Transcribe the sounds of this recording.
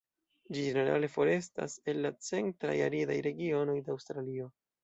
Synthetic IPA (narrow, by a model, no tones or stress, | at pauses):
d͡ʒid͡ʒe̞ne̞ɾa̰le̞fo̞ɾe̞sta̰se̞lːat͡se̞ntɾa̰ja̰lida̰jɾe̞ɡio̞no̞jdeawstɾalio̞